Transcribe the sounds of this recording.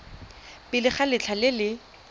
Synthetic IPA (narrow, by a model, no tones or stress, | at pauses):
pɪlɪχalɪt͡ɬʰalɪlɪ